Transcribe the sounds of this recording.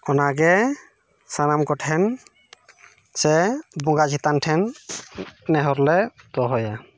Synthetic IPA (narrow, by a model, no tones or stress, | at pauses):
ɔnaɡɛ | sanamkɔʈʰɛn | sɛbuŋɡazit̪antʰɛnː | ɛɦɔɾlɛ | d̪ɔɦɔja